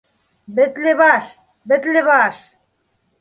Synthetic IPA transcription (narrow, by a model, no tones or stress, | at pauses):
bɘ̆t̪leβɑʃ | bɘ̆t̪lʲɘβɑʃ